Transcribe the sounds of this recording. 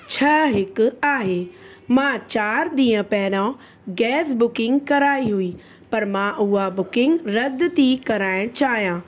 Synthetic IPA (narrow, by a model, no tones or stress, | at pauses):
t͡ɕʰɐɦɪkʊ̆aːɦeːmãːt͡ɕaːɾɗ̪ĩːə̃pɛɦɪɽã | ɡɛːs̬bʊkɪ̃ŋɡkɐɾaːiɦuiː | pɐɾmãʔʊɦabʊkɪ̃ŋɡɾɐd̪t̪ikɐɾaːɪɽ̃t͡ɕaːɦijãː